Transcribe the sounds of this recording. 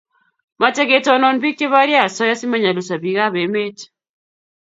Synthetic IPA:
ma˨tɛ˦ɣe˨tɔ˨nɔ˨nbi˦k̚t͡ʃe˦βa˦ɾja˦˨sɔ˦ja˦si˦ma˦˨ɲa˨lu˨sa˨βi˨ɣa˦βe˨me˦t

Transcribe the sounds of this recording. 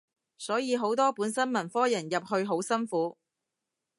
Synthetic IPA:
sɔː˨˥jiː˨˧ɦo˨˥wt̪ɔː˥puː˨˥nsɐ˥nmɐ˨˩nfɔː˥jɐ˨˩njɐ˨p̚hɵ˧ɥɦo˨˥wsɐ˥nfuː˨˥

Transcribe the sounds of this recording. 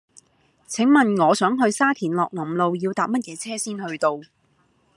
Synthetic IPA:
t͡sʰɪ˨˥ŋmɐ˨nŋɔː˨˧sœː˨˥ŋɦɵ˧ɥsaː˥t̪ʰiː˨˩nlɔː˨k̚lɐ˨˩mlo˨˧wjiː˧wt̪aː˨p̚mɐ˥t̚jɛː˨˧t͡sʰɛː˥siː˥nhɵ˧ɥt̪o˧w

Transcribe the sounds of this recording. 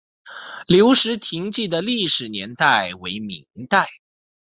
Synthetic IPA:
ljo˧˥ʊʂɻ̩˧˥t̪ʰi˧˥ŋt͡ɕi˥˩d̪ə˩li˥˩ʂɻ̩˨˩njɛ̰˧˥nt̪a˥˩ɪwe˧˥ɪmḭ˧˥ŋt̪a˥˩ɪ

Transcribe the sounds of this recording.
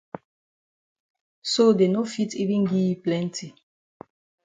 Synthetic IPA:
so˦de˨no˦fitʰi˦vĩ˦nɡi˦plɛ̃˦ntʰi˨

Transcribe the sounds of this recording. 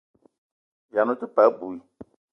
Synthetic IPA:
vja˨nʊ̃˦t̪ɪ˦pa˨˦bu˨i˨

